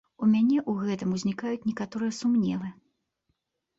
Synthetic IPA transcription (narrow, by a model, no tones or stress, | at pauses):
umʲanʲɛʔuɣɛt̪ɨmuzʲnʲikajut͡sʲnʲɛkat̪ɔɾɨjɛsumnʲɛlˠɨ